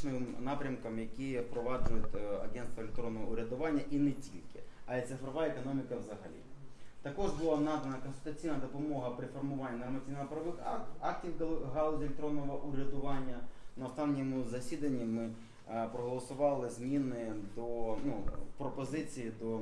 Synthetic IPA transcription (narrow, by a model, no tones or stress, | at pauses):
nɪmnɑpɾʲɐmkɐmjɐkʲipɾɔʋɑd͡ʒʊjʊtʲɐ̰ɡʲɛnst̪ʋɐlʲɪkt̪ɾɔnːɔɦɔʊɾʲɐd̪ʊʋɑnʲːɐʔinɛtʲilʲkɪɐɛt̪sɪfɾɔʋɑekɔnɔmʲɪkɐwzɐɦɐ̰lʲḭt̪ɐkɔʐbʊlˠanad̪ɐnɐkɔnsʲɪlʲt̪ʊt͡sʲijnɐd̪ɔpɔmɔɦɐpɾɪfɔrmʊʋanʲːinɔrmɐt͡sʲijnɐɔpɾɐʋɪxɑk̚tʲiwɦɐlˠɔdʲiɪlʲɪkt̪ɾɔnːɔʋɐʔʊɾʲɐd̪ʊʋɑnʲːɐnɐɔst̪ɑnnʲːimʊzɐsʲid̪ɐnʲːimɪ | pɾɔɦɔlˠɐsʊʋɑlˠɪzmʲinɪd̪ɔnupɾɔpɔzɪt͡sʲijid̪ɔ